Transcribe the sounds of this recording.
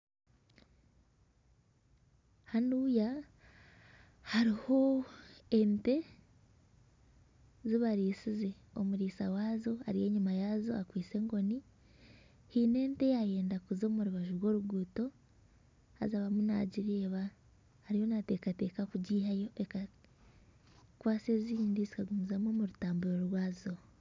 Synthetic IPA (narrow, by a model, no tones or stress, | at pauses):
hanuːja | haɾiho̞ | ente̞ | ziβaɾiːsize̞ | o̞̰muɾiːsawaːzo̞a̰ɾije̞ɲumajazo̞̰akwiːse̞ŋɡo̞ni | hiːne̞ːnte̞jaje̞ːndakuzo̞muɾuβaʒuɾwo̞ːɾuɡuːto̞ | ha̰zaβamuna̰ɟiɾeβa | haɾiho̞nate̞kate̞ːkakuɟiːɦajo̞ʔeka | kwaːse̞ziːndizikaɡumuzamomuɾutaːmbuɾoɾwaːzo